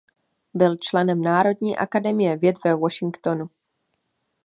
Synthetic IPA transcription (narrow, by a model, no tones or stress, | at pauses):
bɪlt͡ʃlɛnɛmnaːɾo̞dɲiːʔa̰kadɛmɪjɛvjɛt̪vɛvoʃɪŋkt̪onu